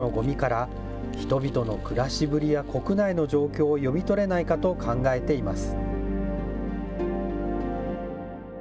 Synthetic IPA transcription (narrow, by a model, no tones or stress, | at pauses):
o̞ɡo̞mʲikaɾa | çi̥t̪o̞bʲit̪o̞no̞kɯ̟ɾaɕibɯ̟ɾʲijako̞kɯ̟naino̞ʑo̞ːkʲo̞ːjo̞mʲit̪o̞ɾe̞naikat̪o̞kʰãŋɡae̞t̪e̞imasɨ̥